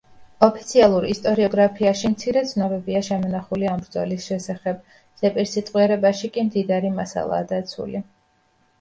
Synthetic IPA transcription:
ɔpʰi̥t̪sʰialˠuɾist̪ʼɔɾiɔɡɾapʰiaʃimt̪sʰiɾɛt̪sʰnɔbɛbiaʃɛmɔnaχuliambɾd̪zɔ̰lisʃɛsaχɛb | z̥ɛpʼiɾsit̪ʼqʼwiɛɾɛbaʃikʼimd̪id̪aɾimasa̰lˠa̰ːd̪at̪sʰṵli

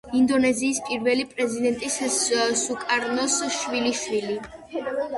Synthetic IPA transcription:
ind̪ɔnɛziːspʼiɾvɛlipʼɾɛzid̪ɛnt̪ʼissukʼaɾnɔsʃwiliʃwili

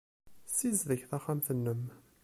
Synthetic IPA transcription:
sizðəçθæχamθənːəm

